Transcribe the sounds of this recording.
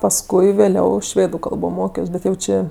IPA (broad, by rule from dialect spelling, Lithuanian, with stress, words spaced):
pɐsˈkʊɪ ʋʲeːˈlʲɛʊ ˈʃʲʋʲeːdʊ ˈkɐlˠboː ˈmoːkʲoːs ˈbʲɛt jɛʊ ˈt͡ʃʲeː